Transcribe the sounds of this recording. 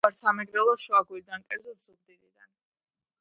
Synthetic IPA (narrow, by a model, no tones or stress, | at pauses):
aɾsamɛɡɾɛlˠɔʃwaɡuid̪ankʼɛɾd̪zɔt̪ʰz̥uɡ̚d̪iɾid̪an